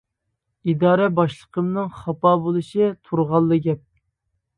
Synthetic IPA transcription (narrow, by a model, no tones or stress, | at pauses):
id̪ɑːɾɛbɑʃlˠəqʰəmnɨŋχɑpɑːbolˠɨʃɨt̪ʰuɾʁɑlˠːɨɡʲɛp̚